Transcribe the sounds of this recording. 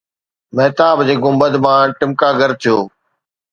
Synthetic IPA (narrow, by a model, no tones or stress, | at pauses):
meɦt̪aːbd͡ʑeːɡʊmbəd̪mãːʈɪmkaːɡəɾt̪ʰɪjoː